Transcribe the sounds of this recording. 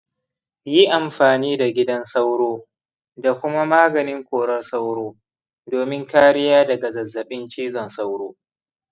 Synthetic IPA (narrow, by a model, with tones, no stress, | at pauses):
ji˦ʔa˨mɸaː˨niː˦da˨ɡʲɪ˦dɐ˦nsa˦wɽoː˦ | da˨kʷʊ˦ma˦maː˦ɡɐ˨nɪ˦ŋkʷoː˨ɽɐ˦rsa˦wɽoː˦ | doː˨mɪ˦ŋkaː˦ɽɪ˦jaː˦dɐ˨ɡa˨zɐ˨zːɐ˨ɓɪ˦nt͡ʃiː˦zɔ˨nsa˦wɽoː˦